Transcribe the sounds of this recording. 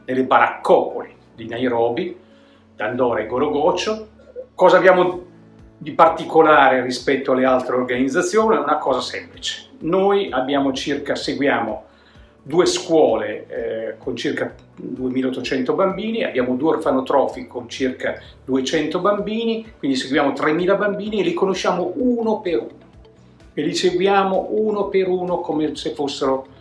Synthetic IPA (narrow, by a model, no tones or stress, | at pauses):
nelːebaɾa̰kːɔːpoli | d̪inajɾɔːbi | d̪and̪ɔːɾaeɡoɾoɡɔt͡ʃːo | kɔːzabjaːmo | d̪ipart̪ikolaːɾerispɛt̪ːoalːealt̪ɾeorɡanid̪zːat̪sːjoːniɛunakɔːzasɛmplit͡ʃe̥nojʔabːjaːmot͡ʃirkaseɡwjaːmo | d̪uːeskwɔːlekʰont͡ʃirka | d̪uemiːlaot̪ːot͡ʃɛnt̪obambiːnia̰bːjaːmod̪uːerfanot̪ɾɔːfikʰont͡ʃirka | d̪uet͡ʃɛnt̪obambiːnikwind̪iseɡwjaːmot̪ɾemːiːlabambiːnielikonoʃːaːmoʔuːnopeɾuːno | eliseɡwjaːmoʔuːnopeɾuːnokomesefːosːeɾo